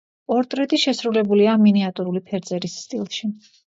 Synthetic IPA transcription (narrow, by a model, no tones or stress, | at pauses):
ɔɾt̪ʼɾɛt̪ʼiʃɛsɾulɛbuliaminiat̪ʼuɾulipʰɛɾd̪zɛɾisːt̪ʼḭlˠʃi